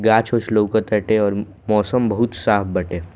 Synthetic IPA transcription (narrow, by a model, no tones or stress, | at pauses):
ɡaːt͡ʃoːt͡ʃʰloːkat̪ɐʈeɔːɾ | mɔːsəmbɐɦʊt̪saːpʰbɐʈeː